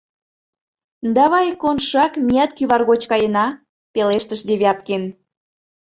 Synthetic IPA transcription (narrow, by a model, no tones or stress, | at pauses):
d̪ɑβɑjkonʃɑkmijɑt̪kyβɑrɣot͡ɕkɑjə̆nɑ | peleʃt̪əʃd̪eβʲɑt̪ken